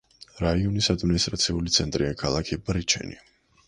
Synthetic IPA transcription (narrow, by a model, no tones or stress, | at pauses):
ɾaiɔnisad̪minist̪ʼɾat̪sʰiulit̪sʰɛnt̪ʼɾiakʰalˠakʰibɾit͡ʃʰɛ̰nḭ